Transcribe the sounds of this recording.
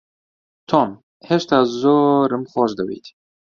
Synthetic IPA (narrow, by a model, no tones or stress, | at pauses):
t̪ʰom | heʃt̪azoɾɨmxʷɔːʃd̪əwḭːt̪